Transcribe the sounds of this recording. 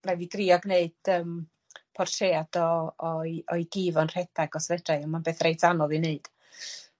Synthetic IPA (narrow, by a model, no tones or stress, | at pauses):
raviɡriːɔɡneɨd̥əm | pʰɔrtʰeːad̥ɔɔɔjɡiːvɔnr̥ɛd̥aɡɔsvɛd̥rajɔnmanbeːθrejtanɔlˠineɨd̥